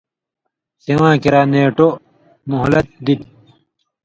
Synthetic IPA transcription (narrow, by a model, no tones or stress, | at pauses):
siwãːkiɾaːneːʈo | muɦlɐt̪̚d̪it̪